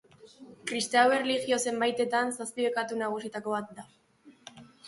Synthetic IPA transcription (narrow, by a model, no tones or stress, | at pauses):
kɾist̪awe̞reliɣjo̞se̞mbajt̪e̞t̪ansaspiβekat̪unaɣ̞usit̪ako̞β̞at̪̚d̪a